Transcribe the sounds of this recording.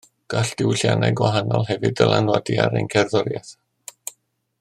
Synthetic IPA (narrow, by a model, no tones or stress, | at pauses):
ɡ̥aɬd̥ɪwɪɬjanaɡwaɦanɔlˠɦɛvɨdəlˠanwadiaɾenkʰɛrðɔɾjaθ